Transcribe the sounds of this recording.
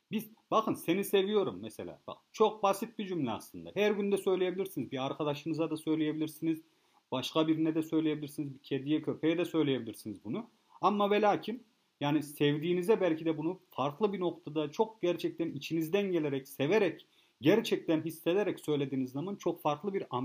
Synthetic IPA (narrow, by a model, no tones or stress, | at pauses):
bizbaxɯnse̞nise̞vijo̞ɾumːɛselʲa̰ːba̰kɯt͡ʃʰo̞k̚basit̪̚bid͡ʒymlʲɛa̰slˠɯnd̪a̰hæɾɟynd̪ɛsø̞jlʲeje̞bilʲiɾsinizbiaɾkʰad̪aʃɯnɯzad̪asø̞jlʲejebilʲiɾsiniz | b̥aʃkabiɾinɛd̪ɛsø̞jlʲeje̞biliɾsinizbicʰed̪ijɛcʰøpʰejɛd̪ɛsø̞jlʲeje̞bilʲiɾsinizbunu | amːavelʲaːcʰim | jaːnisɛvd̪iːnizɛbælʲcʰid̪ɛbunufaɾklˠɯbino̞kt̪ʰad̪at͡ʃʰo̞k̚ɟ̥æɾt͡ʃʰɛc̚t̪ænit͡ʃʰinizd̪ænɟe̞lʲeɾɛcse̞veɾɛc | ɟæɾt͡ʃʰɛc̚t̪ʰænɦisːe̞d̪eɾɛcsø̞jlʲe̞d̪iːnizamant͡ʃʰo̞kfaɾklˠɯbiɾam